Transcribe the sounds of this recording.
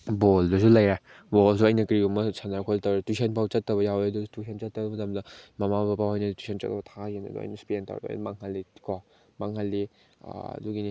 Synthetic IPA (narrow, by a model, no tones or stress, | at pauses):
boldusulaja | bolsuɐjnɐkɾiumɐsanaɾkʰoltawɾetusʰenpʰawt͡ʃɐtːɐβɐjawedutusʰent͡ʃɐtːɐbɐmɐtamdɐmamabapahajnɐtwusʰent͡ʃɐ̰tːɐbɐtʰajena̰dua̰jnɐspienta̰wɾḛa̰maŋɦalːikɔ | maŋhalːḭ | duɡini